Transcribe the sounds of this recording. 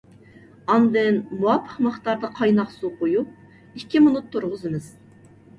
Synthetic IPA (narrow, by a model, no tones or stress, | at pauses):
ɑnd̪ɨnmuwɑpʰːə̥qmɨχt̪ɑɾd̪ɑqʰɑjnɑqsuqoju | ikʲːimunut̪ʰːuɾʁʊzɨmɨz̥